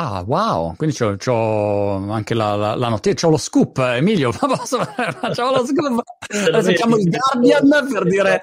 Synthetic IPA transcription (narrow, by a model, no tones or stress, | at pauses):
awao̰kwind̪it͡ʃɔt͡ʃɔ | aŋkela̰la̰lanot̪ːet͡ʃɔloskupːemiːljopɔpsofat͡ʃːamoloskupːd̪ɛsːokjaːmoild̪ard̪janperd̪iːɾe